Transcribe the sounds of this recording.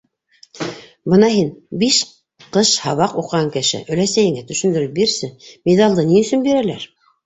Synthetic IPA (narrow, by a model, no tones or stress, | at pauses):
bɤnɑɦinbiʃ | qɤʃhɑβɑquqːɑŋkɘ̆ʃɘ̰ʔɵ̆læsæjɘ̆ŋæt̪ɵ̆ʃɵ̆nd̪ɵ̆ɾɵp̚biɾsɘmed̪ɑlˠd̪ɤniɵ̆sɵnbiɾælæɾ